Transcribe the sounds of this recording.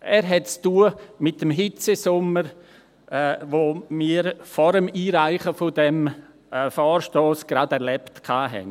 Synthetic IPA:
ʔɛːɾɦɛt̚t͡stuːəmɪtːəmɦɪt͡sesʊməɾ | ʔɛʋoːmiːəɾfɔɾəmiːɾaɪχəfʊdɛmː | fɔːɾʃtoːsɡ̥ɾadɛɾlɛptkʰaːɦɛ̰n

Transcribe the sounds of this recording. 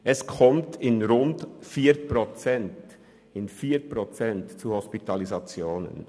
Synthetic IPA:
ʔɛskʰɔmtʰɪnɾʊntfiːɾpʁot͡sɛnt | ɪnfiːɾpʁot͡sɛntt͡suhɔspitʰɑlizat͡sjoːnə̰n

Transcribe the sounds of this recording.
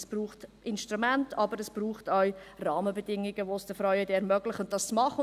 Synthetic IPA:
sb̥ɾruːχt | ɪnʃtɾumæntɑbəɾəsb̥ruːχtawrɑːməbədɪŋɪɡəʋosd̥əfɾœɥədɛːɾmœɡlɪχʊnt̚d̥ɑst͡smɑχə

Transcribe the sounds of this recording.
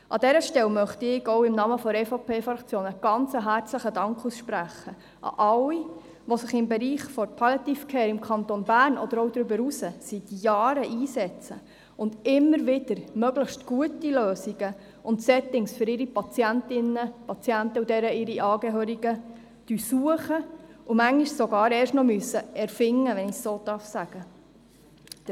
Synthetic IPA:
ʔɑ̰d̥ɛɾəʃtɛlmœχt̪iɪɡɔwɪmnɑːməfɔɾɛfopʰeːfɾɑkt͡sjoːnəɡ̥ɑnt͡səɦæɾt͡sləχədɑŋkχusʃpɾæχə | ʔɑ̰ʔɑli | ʋosəχɪmbɛɾiːχfɔɾpʰɑlɑt̪ifkʰɛːɾɪmkʰɑntonbæːrnɔd̥̪əɾɔwd̪ɾʏbəɾusəsit̪jɑːɾəʔiːsɛt͡sə | ʊndɪmːəɾʋɪd̥əɾmœɡləχʃtɡ̥uətiløːsiɡ̥ə | ʊntsɛt̪ɪŋsfʏɾɪɾipɑt͡sjæntɪnəpɑt͡sjænt̪əudɛɾəɪɾiʔɑːɡɛɦøːɾiɡə | d̥ysuəχəumæŋiʃsoɡɑːɾɛːɾʃtnɔmyəsəɛɾfɪŋːəʋɛnɪsːoːd̥̪ɑɾfsæɡ̥ə

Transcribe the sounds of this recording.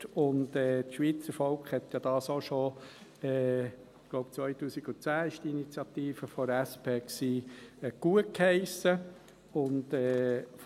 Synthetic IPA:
ʊndɛːt̪ʃʋiːt͡səɾfɔlkχhɛt̪jɑd̥ɑːsoʃo | ɛ̥ː | loʊp̚t͡sʋœʏtuːsiɡ̥ʊt͡sæːɪʃtiinit͡sjɑt̪iːfəfɔɾæspʰeːksiːɡ̥uət̚khɛɪsə | ʊndɛːf

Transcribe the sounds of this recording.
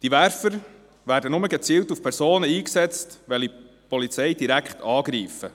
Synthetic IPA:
d̥iʋæɾfəɾ | ʋæːɾdənʊməɡet͡siːltufpʰɛɾsoːnəiːksɛt͡stʋɛli | pɔlit͡sɛjd̥iɾækχtʰɑːɡɾiːfə̰

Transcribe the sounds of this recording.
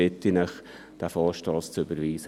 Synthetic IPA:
ɪtːinəχ | d̥æfɑlʃtɑːst͡søbəɾʋiːsə

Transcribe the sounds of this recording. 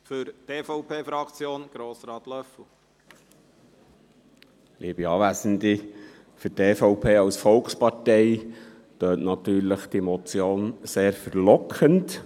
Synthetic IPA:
fʏɾteːfɔʊpʰeːfɾɑkt͡sjoːnɡ̥ɾoːsɾɑːt̪lœfl̩ | lʔiːb̥iɑːʋæːsənd̪i | fʏɾteːfɔwpʰeːɑwsfɔlkspɑtɛj | t̪øːtnɑt̪yːɾləχd̥imɔt͡sjoːnseːɾfəɾlɔkʰənt

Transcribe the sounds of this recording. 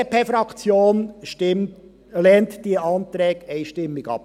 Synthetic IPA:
əpefɾɑkt͡sjoːnʃtɪm | lɛːntd̥iəɑnt̪ɾɛːkɛɪʃtɪmːɪɡ̥ɑ̰p

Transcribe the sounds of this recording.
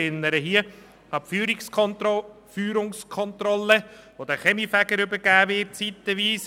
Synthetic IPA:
ɪnːəɾəɦiːə | ɑpfyːɾikskʰnt | fyːɾʊŋskʰɔnt̪ɾɔlːəʋod̪æχɛmifæɡəɾɵbəɾɡ̥æːʋɪt̚t͡sit̪ːəʋiːs

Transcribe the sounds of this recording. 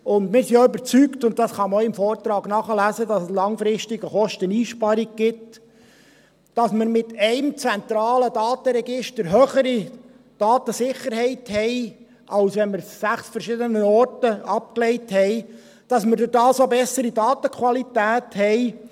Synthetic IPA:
ʊndmɪːɾsioʏbəɾt͡syktʊnt̚dɑsχɑmoɪmfɔːrtɾɑːɡnɑχəlæzədɑsəslɑŋfɾɪʃtɪɡəχɔʃtəniːʃpɑɾiɡ̚ɡ̥ɪt | d̥ɑsməɾmɪtɛɪmt͡sɛnt̪ɾɑːlədɑːt̪əɾɛɡɪʃtəɾɦøːχəɾi | d̥ɑːt̪əsɪχːəɾɦɛɪthɛɪ | ʔɑlsʋɛnməɾsæχsfəɾʃɪdənəɔrtəɑp̚klɛɪthɛɪ | d̥ɑsməɾdʊdɑːsobɛsəɾidɑːt̪əkʰχwɑlit̪æːthɛɪ

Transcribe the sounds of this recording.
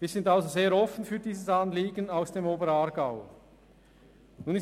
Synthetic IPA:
viːzɪntalzozeːɾɔfn̩fyːɾdiːzəsɑnliːɡənaʊsd̥eːmoːbəɾɑɾɡaʊ | nuːnɪs

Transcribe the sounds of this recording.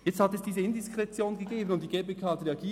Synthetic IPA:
jɛt͡sthɑtɛsd̥iːzəɪndɪskʁɛt͡sjoːnɡəɡeːbən̩ʊnt̚d̥iɡ̥eːbeːkʰaːtɾeɑɡiː

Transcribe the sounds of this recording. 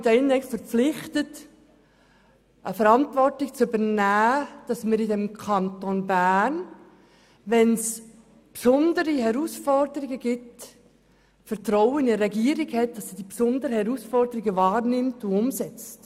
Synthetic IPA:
dɛnnɛkstfəɾp͡flɪχtət | ʔəfəɾɑntvɔrtɪkt͡sʏbəɾnæːd̥ɑsməɾidɛmkʰɑntonbæːn | ʋɛns | psʊndəɾiɦɛɾuːsfɔrdəɾɪɡəɡ̥ɪt | fəɾtɾɔwənɪɾɛɡiːəɾɪɡhɛt̚d̥ɑsid̥ipsʊndəɾəhɛɾusfɔrdəɾiɡəvɑːɾnɪmtʊʊmsɛt͡st

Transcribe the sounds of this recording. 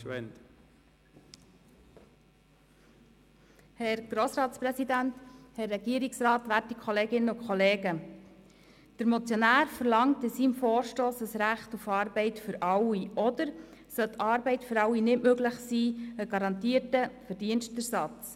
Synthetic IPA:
ɛn | hɛɾɡ̥ɾoːsɾɑːtspɾɛsidænthɛrːɛɡiəɾiksɾɑːtʋæːtikʰχɔleːɡɪnːəʊkʰχɔleːɡə | d̥əɾmɔt͡sjɔnæːɾfəɾlɑŋtɪsiːmfɔːɾʃtoːsəsɾæχtufɑːɾbɛɪtfʏɾɑwiʔɔdəɾsœlt̪ʰɑːɾbɛɪtfʏɾɑwinɪmøɡlɪχsiːəɡ̥ɑɾɑntiːəɾtəfəɾdiənstɛɾsɑt͡s

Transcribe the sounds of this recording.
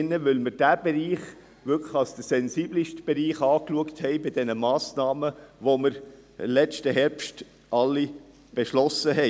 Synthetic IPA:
nːəʋʏlməɾd̥æːb̥eɾiːχ | ʋʏɾkʰləχɑlsd̥əsɛnsiːbliʃtb̥eɾiːχɑːkluəkthɛɪbɪdɛnəmɑːsnɑːməʋoməɾ | ɪmlɛt͡stəɦɛɾpʃt | ʔɑlːi | b̥eʃlɔsəɦɛ

